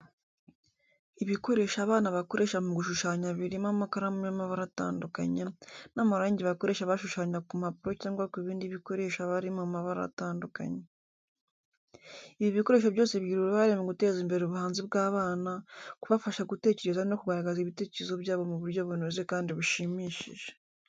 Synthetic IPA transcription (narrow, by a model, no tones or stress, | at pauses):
iβiko̞ɾe̞ʃaːβaːnaβako̞ɾe̞ʃamuɡuʃuʃaːɲaβiɾimamakaɾamujamaβaɾata̰ːnduka̰ɲenamaɾaːɲɟeβako̞ɾe̞ːʃaβaʃuʃaːɲakumapuɾocaːŋɡwakiβiːndiβiko̞ɾe̞ʃaβaɾimamaβaɾa̰a̰taːnduka̰ɲe | iβiβiko̞ɾe̞ːʃoβɟo̞ːseβɟiːɾuɾoβaɾemoɡute̞ːziːmbe̞ɾeuβuhaːnzibɡaːβaːnakuβafaʃaɡute̞ːce̞ɾe̞zano̞kuɡaɾaɡaziβite̞ːceɾezo̞βjaːβo̞muβuɾɟo̞βunozekaːndiβuʃimiːʃḭʒe̥